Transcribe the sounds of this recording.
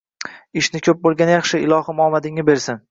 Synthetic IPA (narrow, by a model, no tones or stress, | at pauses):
ɪʃnɪkʲʰɵp̚bolˠɡʲanjɑχʃɪɪlˠɒhɪmɒmad̪ɪŋɪbe̞ɾsɪn